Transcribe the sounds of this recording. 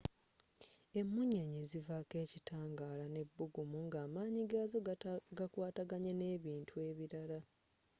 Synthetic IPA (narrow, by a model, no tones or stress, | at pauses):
e̞mːuɲeɲizivake̞ːcitʰaːŋɡaːlane̞bːuɡumuŋɡaːmaːɲiɡaːzoɡakwaːtaɡaɲene̞ːβiːntʰue̞ːβiɾala